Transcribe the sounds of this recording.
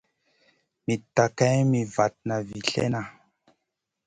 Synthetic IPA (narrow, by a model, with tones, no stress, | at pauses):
mi˨ta˨ka˦mi˨va˨t̚na˨vi˨ɬḛ˦na˨